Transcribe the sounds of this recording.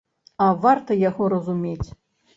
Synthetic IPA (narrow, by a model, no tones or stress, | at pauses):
ɐvart̪ɐjaɣɔɾɐzumʲet͡sʲ